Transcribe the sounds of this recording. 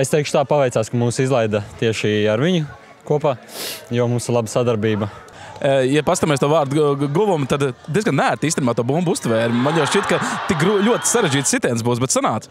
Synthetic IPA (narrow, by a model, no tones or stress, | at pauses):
est̪ɛjkʃʊ̥t̪aːpaʋɛjt̪saːskamuːsizlˠɛjd̪at̪iɛʃiaɾʋiɲʊ | kuɔpaːjɔmuːslˠabsad̪aɾbiːbɐ | japast̪ameːst̪uɔvaːɾd̪ɡuvɔmt̪ad̪d̪ʲiɛzɡannæːɾt̪iːst̪nimaːt̪uɔbumbust̪ʋɛːɾmanjaʊʃt͡ʃit̪̚kɐt̪ikɾlʲuɔt̪saɾeʒd͡ʒiːt̪sit̪ɛːnsbuːsbɛt̪sanaːt̪s